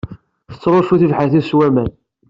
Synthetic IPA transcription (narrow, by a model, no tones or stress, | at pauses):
θə̥t͡sːɾˤoʃuθivħaθiswæmæn